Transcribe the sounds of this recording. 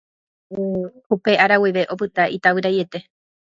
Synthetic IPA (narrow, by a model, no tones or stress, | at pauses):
hupe̞aɾawiʋe̞ʔo̞pɨt̪aʔit̪awɨɾaje̞t̪e̞